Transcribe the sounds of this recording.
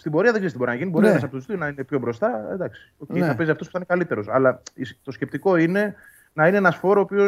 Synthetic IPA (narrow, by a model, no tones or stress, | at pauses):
st̪imbo̞ɾiɐðe̞ɡzeist̪ibo̞ɾiɐnɐʝiniboɾienesɐpot̪uzt̪ionɐinepço̞bɾo̞st̪ɐed̪ɐksi̥oceiɐpeziɐft̪ospu̥t̪ɐnekɐlit̪e̞ɾo̞sɐ̰lɐist̪o̞sce̞p̚t̪iko̞ine̞ | nɐineenɐsfo̞ɾoːpio̞